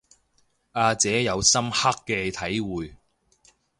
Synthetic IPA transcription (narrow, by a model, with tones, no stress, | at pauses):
aː˧t͡sɛː˨˥jɐ˨˧wsɐ˥mha˥kːɛ˧t̪ʰɐ˨˥jwuː˨j